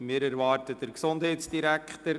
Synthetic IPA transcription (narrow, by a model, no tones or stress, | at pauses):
mɪːɾæɾʋɑːrtəd̥əɾksondɦɛɪtsd̥iɾækχtəɾ